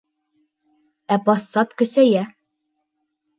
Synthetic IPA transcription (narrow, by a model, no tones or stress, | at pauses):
æpɑsːɑt̪kɵ̆sæjæ